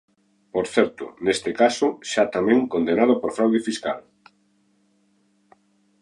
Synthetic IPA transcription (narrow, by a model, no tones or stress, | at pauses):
poɾθɛɾt̪ʊ̰nest̪ɪkasʊʃat̪amẽŋkond̪enað̞opoɾfɾawðefiska̰l